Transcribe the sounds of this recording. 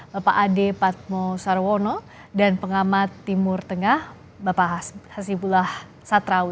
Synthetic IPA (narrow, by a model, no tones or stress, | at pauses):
bapaʔadepat̪̚mɔsaɾwɔnɔ | danpəŋamat̪ːimʊrt̪əŋah | bapahasipulah | sat̪ɾau